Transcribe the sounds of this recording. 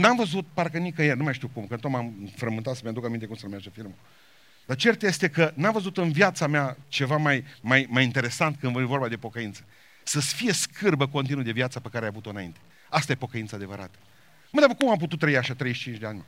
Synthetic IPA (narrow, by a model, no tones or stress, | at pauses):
namvəzut̪̚parkənikəjernumajʃt̪iuwkumkənt̪omamfɾəmɨnt̪at̪səmead̪ukamint̪ekumsəɾumad͡ʒəfilmə | d̪̥at͡ʃe̞rt̪je̞st̪e̞kənamvəzut̪ɨnvjat̪sameat͡ʃe̞vamajmajmajint̪e̞ɾe̞sant̪̚kɨnvvo̞rbad̪e̞po̞kəint̪sə̥ | səsfije̞skʰɨrbəko̞nt̪inud̪e̞vjat̪sapekaɾeajavut̪o̞ɨnaint̪e̞ | ast̪aje̞po̞kəint̪sad̪e̞vəɾa̰t̪ə̥ | məd̪apəkumamp̬ut̪ut̪ːɾəiaʃat̪ɾejʃt͡ʃind͡ʒd̪eanʲme